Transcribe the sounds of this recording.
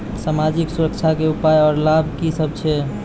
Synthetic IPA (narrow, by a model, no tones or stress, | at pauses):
samad͡ʒiksuɾəkt͡ʃʰakeupajɔːɾlabʱkisəbʱt͡ʃʰɛ